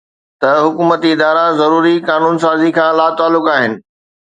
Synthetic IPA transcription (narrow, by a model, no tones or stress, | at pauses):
t̪ɐɦʊkuːmət̪iɪd̪aːɾãzɐɾuːɾikaːnuːns̬aːzikʰãːlaːt̪aːlːʊkaːɦɪnɪ̆